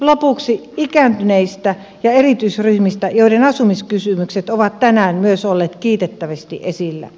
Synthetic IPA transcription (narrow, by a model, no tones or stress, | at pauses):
lopuksiikæˑnt̪yneist̪æ | jɑerit̪yisryhmist̪æjoiɾenɑsumiskysymykset̪oʋɑt̪t̪ænæːnmyøsolːeːt̪kiːt̪et̪ːæʋest̪iʔesilːæ̰